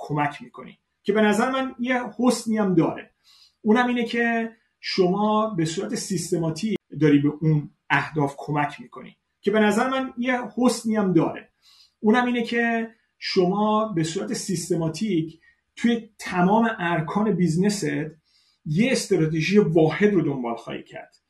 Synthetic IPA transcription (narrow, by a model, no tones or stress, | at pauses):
kʰo̞mæcʰmiːkʰo̞̰nḭː | cʰe̞be̞næzæɾemænjehosniæmd̪ɒːɾḛ | uːnæmiːnecʰe̞ | ʃo̞mɒːbe̞suːɾæt̪ʰe̞sist̪e̞mɒːt̪ʰiːd̪ɒːɾiːbeʔun | æhd̪ɒːfkʰo̞mæcʰmiːkʰo̞̰nḭː | cʰe̞be̞næzæɾemænjehosniæmd̪ɒːɾḛ | uːnæmiːnecʰe̞ | ʃo̞mɒːbe̞suːɾæt̪ʰe̞sist̪e̞mɒːt̪ʰicʰ | t̪ʰuːjet̪ʰæmɒːme̞ʔæɾkʰɒːne̞bizneset̪ | je̞ːst̪ɾɒːt̪ʰeʒije̞vɒːhe̞d̪ɾo̞d̪o̞mbɒ̰ːlxɒ̰ːhḭːcʰæ̰ɾd̪̥